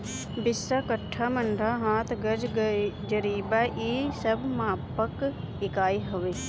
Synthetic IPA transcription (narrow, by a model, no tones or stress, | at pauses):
bɪsːakəʈʰːaməɳɖʱaɦãːt̪ʰɡəd͡ʒd͡ʒəɾiːbaʔiːsəbmaːpək | ɪkaːiɦoʋeː